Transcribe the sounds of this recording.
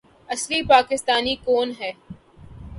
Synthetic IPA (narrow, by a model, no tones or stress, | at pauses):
ɐslipaːkɪst̪aːnikoːnɦɛː